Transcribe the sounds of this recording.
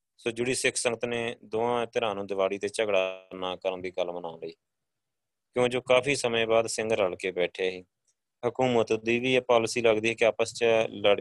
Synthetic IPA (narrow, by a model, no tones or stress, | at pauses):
soːd͡ʒʊɽiːsɪkʰsəŋɡət̪neːd̪ʊːãːt̪əɾãːnũːd̪ɪʋaːɽiːt̪eːt͡ʃəɡɽanaːkəɾənd̪iːɡəlmənaːləiː | kjõːd͡ʒoːkaːpʰiːsəmẽːbaːd̪sɪ̃ŋɡəɾəɽkeːbɛːʈʰeːɦiː | ɦʊkuːmət̪d̪iːʋiːɛːpaːlsiːləɡd̪iːkɪaːpəst͡ʃələɽ